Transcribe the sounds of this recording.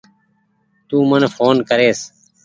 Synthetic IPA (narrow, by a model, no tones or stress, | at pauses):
t̪uːmənfʰoːnkəɾeːs